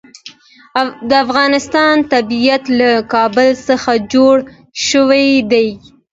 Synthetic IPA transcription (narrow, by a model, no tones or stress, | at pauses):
d̪əafɣɑnɪst̪ɑnt̪abijat̪lakɑbəlsəxad͡ʒoɽ | ʃəwajd̪aj